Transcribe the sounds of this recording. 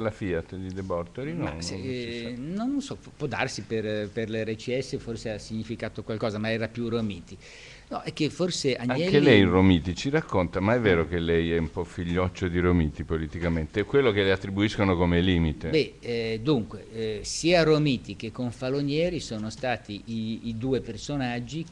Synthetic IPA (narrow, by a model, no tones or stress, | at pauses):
lafiat̪ːd̪id̪ebɔrt̪oɾinɔs | nonsɔppːwɔd̪ːa̰rsiperperlɛrːet͡ʃiɛsːeforseasiɲːifikaːt̪okwalkɔːzamaɛːɾapjuromiːt̪i | nɔ̰ʔɛkːeforseʔaɲaŋɛklelɛjromiːt̪it͡ʃiɾakːont̪amaɛvːeːɾokelɛjɛumpɔfiʎːɔt͡ʃːod̪iɾomiːt̪ipolit̪ikament̪ekwelːokeleat̪ːɾibuiskonokomeliːmit̪ebɛd̪uŋkwesiːaromiːt̪ik̟ekːoɱfaloɲjɛːɾisoːnost̪aːt̪iʔiːd̪uːepersonad͡ʒːi